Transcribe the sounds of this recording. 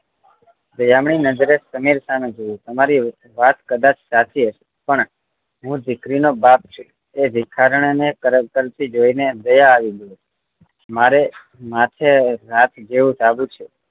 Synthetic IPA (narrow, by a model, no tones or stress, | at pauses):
d̪əjamɳinəd͡ʒɾesəmiɾsamed͡ʒojũt̪əmaɾi | ʋat̪kəd̪at͡ʃʰsat̪ʰieʃ | pəɳ | ɦũd̪ɪkɾinobap̚t͡ʃʰu | eʋɪkʰaɾɳ̃nekəɾkəɾt̪id͡ʒoined̪əjaːʋiɡu | maɾe | mat̪ʰeɾat̪ʰd͡ʒeʋũsabũt͡ʃʰu